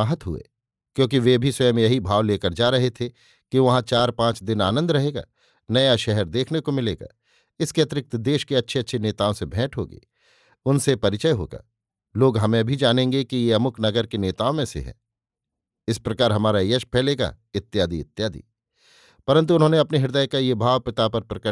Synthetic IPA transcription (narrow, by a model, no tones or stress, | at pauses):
aɦət̪ɦʊ̰ḛː | kjõːk̬iʋebʱiswɐjəmjɐɦibʱaːʋleːkəɾd͡ʒaːɾɐɦet̪ʰe | kiʋɐɦãt͡ʃaːɾpãːt͡ʃd̪ɪna̰ːnə̃nd̪ɾɐɦeːɡa̰ː | nɐjaʃɛɦɛɾd̪eːkʰnekomɪlḛːɡa̰ː | ɪskeɐt̪ɪɾɪk̚t̪d̪eːʃkeɐtːʃʰeɐtːʃʰeneːt̪aːõsebʱɛ̃ːʈʰɦo̰ːɡḭː | ʊnsepɐɾɪt͡ʃəjɦo̰ːɡa̰ː | loːɡɦɐmẽbʱid͡ʒaːnẽːŋɡekijeɐmʊkʰnɐɡəɾkeneːt̪aːõmẽsḛɦɛ̰̃ː | ɪspɾɐkaːɾɦɐmaːɾajəʃpʰɛːleːɡa̰ɪt̪ːjaːd̪iɪt̪ːjaːd̪ḭː | pɐɾə̃nt̪̬uʊnɦõːneɐpniɦɪɾd̪əjkajebʱaːʋpɪt̪apɐɾpɾɐkə